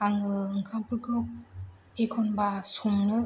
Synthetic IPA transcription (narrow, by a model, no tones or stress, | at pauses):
aŋɯɯŋkʰampʰɯɾkʰɯ | ekʰɔnbasumnɯ